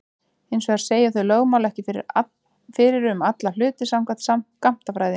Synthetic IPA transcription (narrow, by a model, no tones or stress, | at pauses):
ejnsvɛɣaɾ̥seːjaθœɥloːɣmawlaɛhcɪfɪɾɪ̰ɾ | fɪɾɪɾʏmat̪lal̥ʏːt̪ɪsamkvat̪samkam̥t̪afɾaːjðɪ